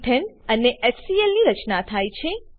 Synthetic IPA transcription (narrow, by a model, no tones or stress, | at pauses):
ʈ̪ʰɛnəneʔesielniɾət͡ʃnat̪ʰajt͡ʃʰe